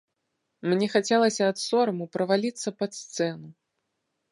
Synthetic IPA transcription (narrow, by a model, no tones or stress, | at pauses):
mnʲɛxat͡sʲɛlˠɐsʲɐːt̪sɔɾɐmupɾɐvalʲit̪sːɐpɐt̪st̪sɛnu